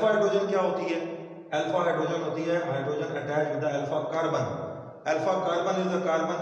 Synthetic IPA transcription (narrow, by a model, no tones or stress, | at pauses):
faːɦeɖɾoːd͡ʒənkjaːɦot̪iaː | ɛːlfaɦaːɖɾoːd͡ʑənɦot̪iaːɦɪɦaːɪɖɾoːd͡ʒənɐʈaːɪɾɦĩːnd̪aːeːlfaːkaːɽbɐn | ɛːlfakaːɽbənɦẽːnd̪akaːɽbən